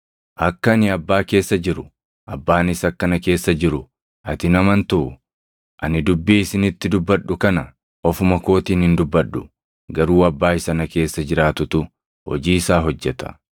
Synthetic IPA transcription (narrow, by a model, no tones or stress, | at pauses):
ʔɐkːɐnɪɐbːaːke̞ːsːɐd͡ʒɪɾʊ | ʔɐbːaːnɪsɐkːɐnɐke̞ːsːɐd͡ʒɪɾʊ | ʔɐt̪ɪnɐmɐnt̪ʊʔʊ | ʔɐnɪd̪ʊbːiːɪsɪnɪt̪ːɪd̪ʊbːɐᶑːʊkɐnɐ | ɔfʊmɐko̞ːt̪iːnhɪnd̪ʊbːɐɗːʊ | ɡɐɾuːɐbːaːɪsɐnɐke̞ːsːɐd͡ʒɪɾaːt̪ʊt̪ʊ | hɔ̰d͡ʒiːɪsaːɦɔd͡ʒːɛt̪ɐ̥̰